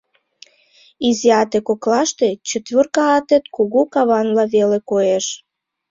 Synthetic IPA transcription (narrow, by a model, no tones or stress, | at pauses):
iziɑt̪ekoklɑʃt̪et͡ɕət̪βʲørkɑːt̪et̪kuɣukɑβɑnlɑβelekoeʃ